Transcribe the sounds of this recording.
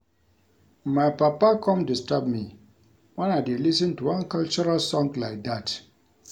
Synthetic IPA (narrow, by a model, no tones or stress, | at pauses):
maɪpapakʰɔ̃mdistɹab̚mi | wãnadelisə̃ntuwãnkalt͡ʃɔɹalsɔ̃ŋɡlaɪk̚dat